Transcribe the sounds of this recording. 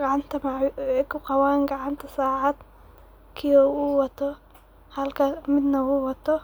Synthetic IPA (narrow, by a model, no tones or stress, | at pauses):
ɡɑʕɑnt̪ʰɐmɛjkʰʊqɑwaːŋɡɑʕɑnt̪ʰɐsaːʕad̪̥ | kʰɪjɔuːwɑt̪ʰɔ | hɐlkʰɐmɪd̪nɐwuːwɑt̪ʰɔ